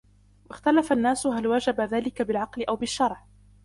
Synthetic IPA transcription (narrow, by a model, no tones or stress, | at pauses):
wʔaxt̪alafanːaːsɦalwad͡ʒabaðaːlɪkabɪlʕɑqlɪʔawbɪʃːɑɾˤʕ